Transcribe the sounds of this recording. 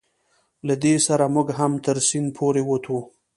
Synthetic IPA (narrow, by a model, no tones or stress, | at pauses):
lad̪esaɾamʊɡɦamt̪əɾsinpʰoɾewot̪ʰu